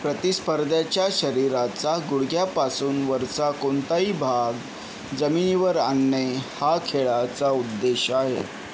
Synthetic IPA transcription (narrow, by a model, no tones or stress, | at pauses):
pɾət̪ispəɾd̪ʱat͡ɕjaɕəɾiɾat͡saɡuɽɡjapasuːnʋəɾsakont̪aiːbʱaɡ | d͡zəminiʋəɾanːehakʰeɭat͡saud̪ːeɕaɦḛ